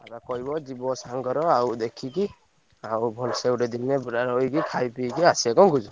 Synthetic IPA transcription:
abakɔjbɔzibɔsaŋɡɔɾɔawd̪ekʰiki | awbʱɔlsewɾed̪innɛbuɾaɾɔjɡikʰajpiɡiasiaɡɔmɡuzu

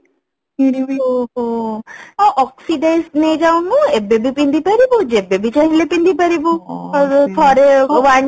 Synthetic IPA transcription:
unio | ɔʔɔksiɖesned͡ʒawnũebebʱipind̪ipaɾibod͡ʒebebit͡ʃaɦĩlepind̪ipaɾibo | t̪ʰɔɾewaɲ

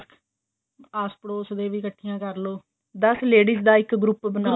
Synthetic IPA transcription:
aːspəɽoːsəd̪eːʋiːkəʈʰːɪjãːkəɾloː | d̪əsleːɖiːsd̪aːɪkɡɾupbənaː

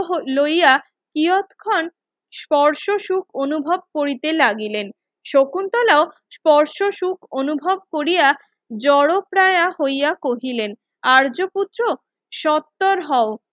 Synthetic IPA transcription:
ɦloja | kiot̪kʰɔn | spɔɾʃoʃukʰonubʱob̚koɾit̪elaɡilen | ʃokunt̪ɔlao | spɔɾʃoʃukʰonubʱob̚koɾija | d͡ʑɔɽopɾaeahojakoɦilen | aɾd͡ʑoput̪ːɾo | ʃɔt̪ːoɾɦɔo

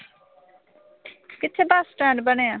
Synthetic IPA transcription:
kɪt̪ʰːeːbaːsːʈɛːɳɖbəɽ̃eːãː

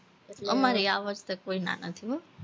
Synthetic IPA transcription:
əmaɾiaʋəd͡ʒt̪əkoina̰nət̪ʰiɦo

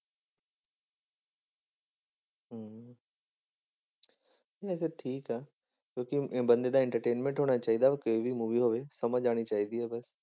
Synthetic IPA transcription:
ɦə | ias̬eʈʰiːkaː | t͡ɕoːkĩbɐ̃nd̪ed̪aɪ̃ɳʈəɾʈeːnmẽɳʈɦoːɽ̃at͡ɕaːɦid̪aʋekoːʋimuːʋiɦoʋesɐməd͡ʒaːɽ̃it͡ɕaːɦid̪iɦaːbɐs

